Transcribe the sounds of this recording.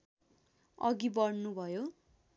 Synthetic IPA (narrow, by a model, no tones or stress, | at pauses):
ʌɡibʌɽnubʱʌjo